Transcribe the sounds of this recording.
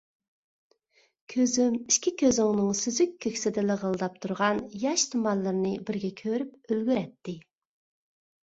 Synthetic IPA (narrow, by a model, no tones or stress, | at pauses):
kʲʰøzymiʃkʲʰikʲʰøzɪŋnɨŋsyzykʲkʰʲːøkʲsɪd̪ɪlɪʁəlˠd̪ɑp̚t̪ʰuɾʁɑnjɑʃt̪ʰumɑnlˠɨɾnɨbɪɾɡʲɛkʲʰøɾyp̚ølɡʲyɾɛt̪ʰːɪ